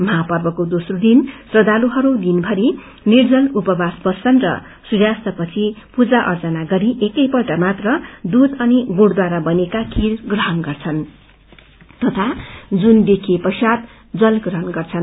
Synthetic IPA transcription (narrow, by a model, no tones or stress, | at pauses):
mʌɦapʌrbʌkod̪osrod̪insrʌd̪aluɦʌɾud̪inbʱʌɾi | nird͡zʌlupʌbasbʌst͡sʰʌnrʌ̰ | suɾjast̪ʌpʌt͡sʰipud͡zaʔʌrd͡zʌnaɡʌɾiʔekʌjpʌlʈamat̪rʌd̪ud̪ʌniɡoɽd̪waɾabʌnekakʰiɾɡrʌɦʌnɡʌrt͡sʰʌn | t̪ʌt̪ʰad͡zund̪ekʰepʌsat̪ | d͡zʌlɡrʌɦʌnɡʌrt͡sʰʌn